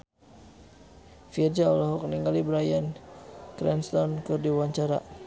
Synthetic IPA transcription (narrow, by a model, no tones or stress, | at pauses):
fird͡ʒaɔlaɦɔk̚niŋɡalibɾajankɾɛnst̪ɔnkɨrdiwaɲt͡ʃaɾa̰